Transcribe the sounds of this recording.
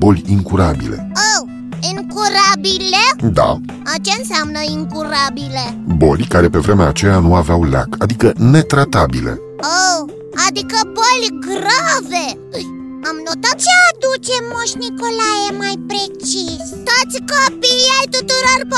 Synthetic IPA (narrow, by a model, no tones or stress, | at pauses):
bo̞lʲiŋkuɾabḭle̞̰ow | iŋkuɾabiled̪a̰ | at͡ʃe̞ɨnseamnəiŋkuɾabile̞bo̞lʲkaɾe̞pe̞vɾe̞meaːt͡ʃe̞januaveawla̰kad̪ikəne̞t̪ɾat̪abile̞̰ | ow | ad̪ikəbolʲɡrave | ɨj | amnot̪at̪̚t͡ʃead̪ut͡ʃe̞moʃnikolajemajpɾe̞t͡ʃisʲ | t̪ot̪sʲkopijajt̪ut̪uɾorp